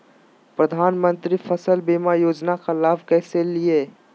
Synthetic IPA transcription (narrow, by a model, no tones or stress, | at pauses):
pɾɐd̪ʱaːnmə̃nt̪ɾifʰəsəlbeːmajoːd͡ʒnaxɪlaːfkɛːselɪe